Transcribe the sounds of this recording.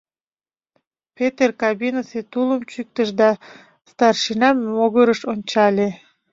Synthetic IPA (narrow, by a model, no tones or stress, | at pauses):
pet̪erkɑbinəset̪uləmt͡ɕyk̚t̪əʃd̪ɑ | st̪ɑrʃinɑmːoɣəɾəʃonʲt͡ɕɑlʲe